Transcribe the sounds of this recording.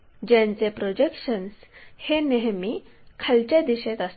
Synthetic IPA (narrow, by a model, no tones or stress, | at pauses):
d͡ʑjãnt͡sepɾɔd͡ʑekʂənsheneɦmikʰalt͡ɕad̪iɕet̪as